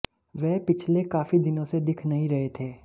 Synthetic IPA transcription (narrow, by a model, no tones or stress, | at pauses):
ʋɛːpɪt͡ʃʰlekaːfid̪ɪnõsed̪ɪkʰnɐɦĩɾɐɦet̪ʰeː